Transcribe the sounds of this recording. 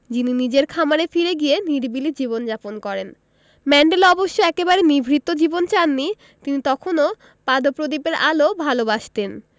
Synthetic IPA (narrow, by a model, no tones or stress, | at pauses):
d͡ʑininid͡ʑeɾkʰamaɾefiɾeɡieniɾbilid͡ʑiβond͡ʑaponkɔɾen | mɛɳɖelɔboʃːoɛkebaɾenibʱɾit̪ːod͡ʑibont͡ɕanːi | t̪init̪ɔkʰono | pad̪opɾod̪ipeɾalobʱalobaʃt̪en